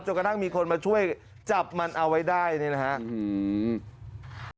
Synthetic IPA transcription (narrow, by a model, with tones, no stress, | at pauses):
t͡ɕo˨˩ka˧t̪ʰa˥˩ŋmiː˧kʰo˧nmaː˧t͡ɕʰu˥˩əj | t͡ɕa˨˩p̚ma˧nʔa˧wa˦˥jdaː˥˩jna˥˩na˦˥kʰa˦˥ʔ